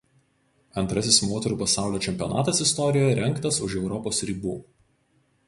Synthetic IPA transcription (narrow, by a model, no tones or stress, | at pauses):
ɐnt̪ɾɐsʲɪsmoːt̪ʲɛɾuːpɐsɑˑʊlʲoːt͡ʃʲɛmʲpʲiɔnɑ̰ːt̪ɐsɪst̪ɔɾʲɪjoːjɛɾʲɛŋkt̪ɐsʊʃɛʊɾɔpoːsɾʲiːbuː